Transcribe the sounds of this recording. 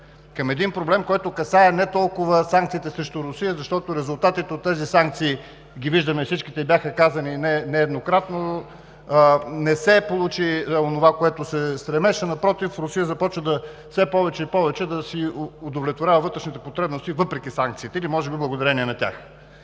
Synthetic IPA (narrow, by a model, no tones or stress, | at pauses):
kɐmɛd̪inpɾoblɛmkɔjt̪okɐsaɛnɛt̪ɔlˠkʊvəsaŋkt̪siːt̪ɛsɾɛʃt̪oɾʊsijəzɐʃt̪ɔt̪oɾɛzʊlˠt̪at̪it̪ɛot̪ːɛzisaŋk̚t̪siː | ɡʲiviʒd̪ɐmɛifsit͡ʃkit̪ɛibʲjaxəkazɐninɛnɛːd̪nokɾat̪no | nɛsɛpolˠut͡ʃionovakoɛt̪osɛst̪ɾɛmɛʃɛnɐpɾɔt̪ifɾʊsijəzɐpɔt͡ʃvəd̪ɐ | fsɛpɔvɛt͡ʃɛipɔvɛt͡ʃɛd̪ɐsiod̪ovlʲɛt̪voɾʲavəvɤt̪ɾɛʃnit̪ɛpot̪ɾɛbnost̪ivɤpɾɛkisaŋk̚t̪siːt̪ɛilimɔʒɛbiblˠɐɡod̪ɐɾɛniɛnɐt̪ʲa̰x